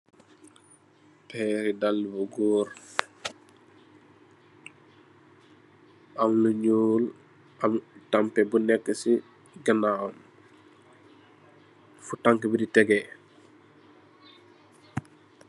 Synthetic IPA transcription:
pɛːɾidalːibuɡuːɾ | ʔamluɲul | amtampɛbunɛkːəsi | ɡənam | futaŋkəbiditɛɡɛ

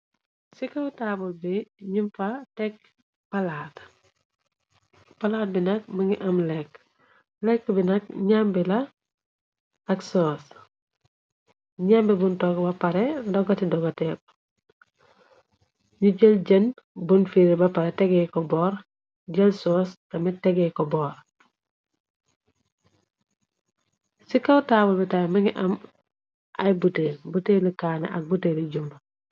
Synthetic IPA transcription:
sikɐwtaːbulbiɲumfatɛk̚ | pɐlaːt | pɐlaːt̚binɐk̚mɐŋɡiʔɐmlɛkː | lɛkːbinɐk̚ɲambilɐ | ɐksɔs | ɲambibuntɔkbɐpɐɾɛdɔɡɐtidɔɡɐtɛp̚ | ɲuɟeld͡ʒɐn | bunfiɾibɐpaɾɛtɛɡɛkɔbɔːɾ | ɟɐlsɔːskɐmitɛɡɛkɔbɔːɾ | sikɐwtabulbɛtajmɐŋiʔɐm | ʔajbutebuteləkanɛ̰ʔɐk̚buteliɟum

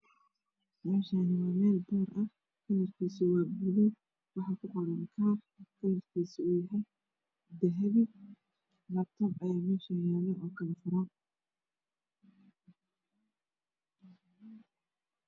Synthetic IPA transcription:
sɑaːʃaːnɪwɑːmɛːlbɔːɾɐ | kʰɐnɐrkʰiːsɪwaːɡuðɛj | wɑħɑːkʰʊqɔɽɐŋkʰaːr | kʰɐnɐrkʰiːsɪuːjɐɦɛj | d̪ɐɦɛβɪ | lɐːb̚t̪ʰɔbɐjaːmɛːʃɐjaːlɛʔɔːkʰɐlɐfʊɾaːn

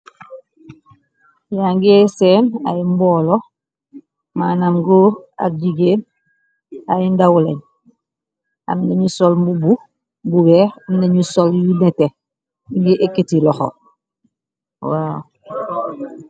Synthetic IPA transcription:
jaŋɡiesena̰jimbolo | manamɡua̰ɟiɡeːn | ajindawuleɲ | a̰mneɲusolmbubu | bubeːɾamneɲusoljunete | ŋɡiʔeketilɔxo̰ | wa

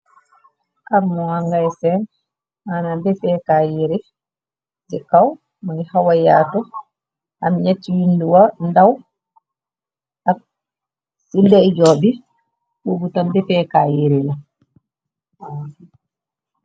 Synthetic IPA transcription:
ʔaɾmɔaŋɡajsɛn | anabɛfɛkajiɾɛ | d͡ʒɛkaw | manihawajatɔ | ʔamɲatːijinduwandaw | ak̚ | sildɛd͡ʒɔbi | wuɡutambɛfɛkajiɾɛla

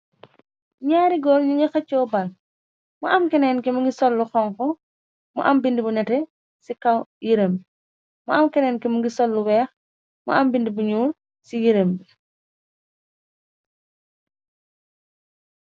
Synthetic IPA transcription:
ɲaːɾiɡɔːlɲuŋixɐt͡ʃːɔːbɐl | muʔɐmkɛnɛːnkɛmuŋɡisɔlːuxɔŋkɔ | mṵʔɐmbindibunɛtɛ | sikɐwjiɾembi | mṵɐmkɛnɛːnkɛmuɡisɔlːuwɛːx | mṵʔɐmbindibuɲuːr | sijiɾembi

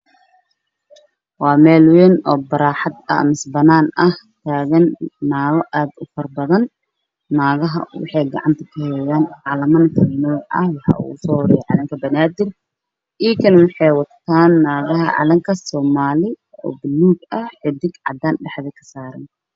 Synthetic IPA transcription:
wɑːmɛːlwɛːnɔ̰ːbɐɾaːħɑd̪ɐ̰mɪsbɐnaːnʔɐht̪ʰaːɣɐnːaːɣɔʔaːd̪ʊfɐrbɐðɐnː | aːɣɐɦɐ̰wɑ̰ħɑjɡɐ̰ʕɑ̰nt̪ʰɐ̥kʰɐhɛjaːnʕɑlɐmɐnk̪ʰɐnɔːʕʔɐ̰hwɑħɑ̰ṵʊsɔːwɾɛjɛʕɑlɐŋkʰɐbɐnaːd̪ɪr | ʔiːkʰɐnwɑħɑjwɑt̪ʰːaːnːaːɣɐɦɐʕɑ̰lɐŋkʰɐsɔːmaːlɪ | ɔ̰ːbɪluːɡɐhħɪd̪ɪɡʕɑ̰d̪aːnɖɛħðɛkʰɐ̥saːɾɐ̰n

